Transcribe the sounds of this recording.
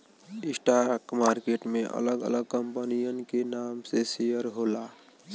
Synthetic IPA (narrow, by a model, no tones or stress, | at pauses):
ɪsʈaɾkmaːɾkeːʈmẽʔə̰ləɡə̰ləɡkəmpənijənkenaːmsesijəɾɦoːla